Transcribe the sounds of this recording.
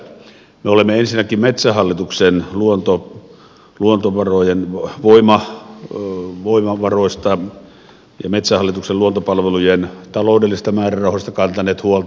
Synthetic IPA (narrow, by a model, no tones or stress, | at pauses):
meolemːeensinːækimmet̪sæhɑlːit̪uksenluont̪o | luont̪oʋɑrojenʋoimɑ | ʋoimɑʋɑroˑist̪ɑ | jɑ̰met̪sæhɑlːit̪ukselluont̪opɑlʋelujent̪ɑloˑdelːisest̪ɑmæːrærˑɑˑuhost̪ɑkɑnt̪ɑneːt̪huolt̪